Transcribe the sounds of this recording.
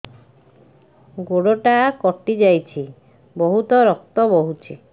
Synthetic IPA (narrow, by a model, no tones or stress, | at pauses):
ɡoɽoʈakɔʈid͡ʒajt͡ʃʰi | bɔɦut̪ɔɾɔk̚t̪ɔbɔɦut͡ʃʰi